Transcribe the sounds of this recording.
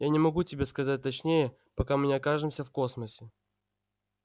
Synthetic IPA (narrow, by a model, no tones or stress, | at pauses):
janʲɪmɐɡutʲɪbʲe̞skɐzat̚ʲt̪ɐt͡ɕnʲejə | pɐkamɨnʲɪɐkaʐɨmsʲəfko̞sməsʲɪ